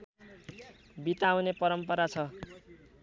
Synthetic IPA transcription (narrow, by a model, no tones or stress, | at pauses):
bit̪awnepʌɾʌmpʌɾat͡sʰʌ